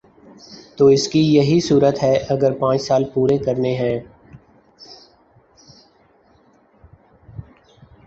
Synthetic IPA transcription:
t̪oːɪskijɐɦisuːɾət̪ɦɛːʔɐɡəɾpãːt͡ʃsaːlpuːɾekɐɾneɦɛ̃ː

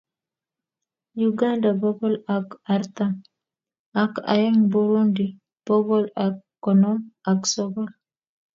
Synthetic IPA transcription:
juɡandabɔbɔlakaɾt̪a | aka̰jaŋbuɾundi | b̥ɔbɔlakːɔnɔmaksɔbɔl

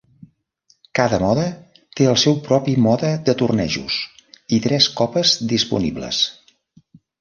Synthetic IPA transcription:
kaðəmɔðə | t̪eəlˠsɛwpɾɔpimɔðəðət̪urnɛ̰ʒṵsit̪ɾɛskɔpəzd̪ispṵnḭblə̰s

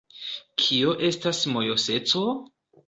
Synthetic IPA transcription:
kʰioʔe̞stasmo̞jo̞se̞t͡so̞

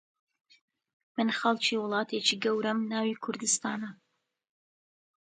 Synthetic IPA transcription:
mɨnxɐlˠt͡ʃʰiːwʊlˠɑːt̪ʰeːt͡ʃiːɡɐwɾɐmnaːwikʰʊɾd̪ɨst̪aːnɐ

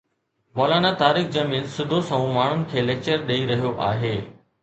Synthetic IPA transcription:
moːlaːnat̪aːɾɪkʰd͡ʑɐmiːlsʊd̪ʱosɐ̃ũmaːɳ̤ʊnɪ̆kʰeːleːk̚t͡ɕəɾɗɐiɾɐɦijoʔa̰ːɦeː

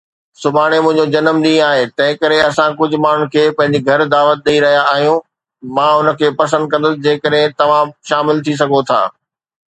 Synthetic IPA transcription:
sʊbʱaːɽ̃emʊ̃ɦɪ̃ɲd͡ʑod͡ʑɐnəmɗĩːaːɦet̪ɐ̃ɦɪ̃kɐɾeɐsãkʊd͡ʑʱʊ̆maːn̤ʊ̃n̆kʰeːpɐ̃ɦɪ̃ɲd͡ʑiɡʱɐɾd̪aːʋət̪̚ɗɐiɾɐɦijaaːɦijũ | mãːʊnəkʰeːpɐs̬ə̃nd̪̚kɐ̃nd̪əsɪd͡ʑeːkəɗɦɪ̃t̪ɐʋ̤ãʃaːmɪlt̪ʰis̬ɐɡʱot̪ʰa̰ː

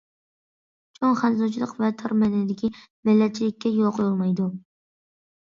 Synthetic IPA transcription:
t͡ʃʰoŋχanzɔt͡ʃʰlˠɨqvæt̪ʰaɾmanɪd̪ɪkʲɪ | mɪlːæt̪̚t͡ʃʰilɪkʲːɛjoqʰjlˠmajd̪ʊ

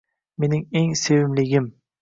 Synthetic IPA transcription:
me̞nɪŋeŋsevɪmlɪɡʲɪm

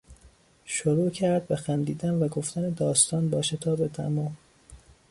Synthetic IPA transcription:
ʃoɾuːcʰæɾd̪̚bexænd̪iːd̪ænvæɡo̞ft̪æned̪ɒːst̪ɒːnbɒːʃet̪ʰɒːbet̪ʰæ̰mɒːm

